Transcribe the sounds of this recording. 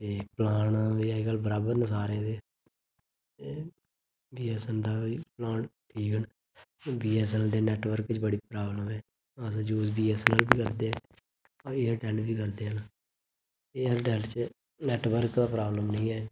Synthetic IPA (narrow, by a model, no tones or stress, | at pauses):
t̪eːplaːɳaʋiːɛɡəlbəɾaːbəɾnəsaːɾẽːd̪e | t̪eː | biːɛːsɛnd̪aːiːplãːɳʈʰiːkəɳ | biːɛːsɛld̪eːnɛːʈʋəɾkt͡ʃbəɽiːpɾaːbləmɛː | əs̬d͡ʒuːsbiːɛːsləlbiːkəɾd̪eː | ɔːɾeːəɾʈɛ̃ːɳɖbiːkəɾd̪eːɦənː | eːəɾʈɛːlt͡ʃ | nɛːʈʋəɾkd̪aːpɾaːbləmnəĩːɛː